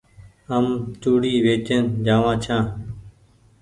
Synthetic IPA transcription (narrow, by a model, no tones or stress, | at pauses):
əmt͡ʃuːɽiːʋeːt͡ʃənd͡ʒaːʋãːt͡ʃʰãː